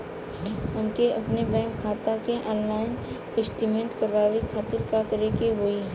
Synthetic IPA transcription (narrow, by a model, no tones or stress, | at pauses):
ʊnkeʔɐpnebɛ̃ːŋkkʰaːt̪akeʔɔ̃ːnlaːɪn | kɪsʈimẽɳʈkəɾʋaːwikʰaːt̪ɪɾkakəɾekeɦoiɦ